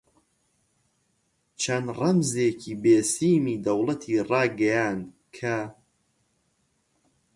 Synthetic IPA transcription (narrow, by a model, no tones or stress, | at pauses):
t͡ʃʰɐnrɐmzeːcʰiːbeːsiːmiːd̪ɐwlˠɐt̪ʰiːrɑːɡɐjaːn | kʰɐ